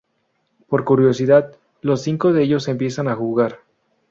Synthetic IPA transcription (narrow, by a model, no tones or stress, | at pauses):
po̞ɾkuɾjo̞siðað | lo̞sːiŋko̞ðeeʝo̞se̞mpje̞sanaxuɣaɾ